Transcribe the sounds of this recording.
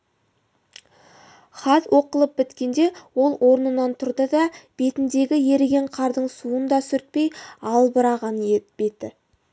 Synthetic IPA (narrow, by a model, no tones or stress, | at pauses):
χɑt̪wʔo̞qəlˠəp̚bɪt̪kʲe̞nd̪e̞wo̞lˠwʔo̞ɾnənɑnt̪ʰʊɾd̪əd̪ɑb̥e̞t̪ɪnd̪e̞ɡʲɪje̞ɾɡʲe̞ɴqʰɑɾd̪əɴsuənd̪ɑsʏɾt̪̚pe̞jɑlˠbəɾɑʁɑneb̥e̞t̪ɪ